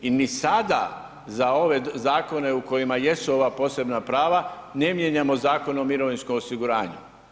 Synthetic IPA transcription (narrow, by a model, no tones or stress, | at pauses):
inisad̪a̰ | zao̞ʋe̞zaːko̞ne̞uko̞jimaje̞suo̞ʋapo̞ːse̞bnapɾaːʋane̞mje̞ɲamo̞zaːko̞nomiɾo̞ʋinskomosiɡuɾaːɲṵ